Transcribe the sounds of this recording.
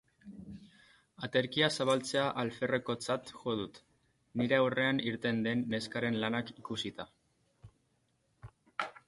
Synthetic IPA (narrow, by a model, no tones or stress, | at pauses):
at̪e̞ɾkiasaβalt͡se̞aʔalfe̞reko̞t͡sat̪ʝo̞ð̞ut̪ | niɾe̞awre̞aniɾt̪e̞nd̪e̞nːe̞skaɾe̞nlanakikusit̪a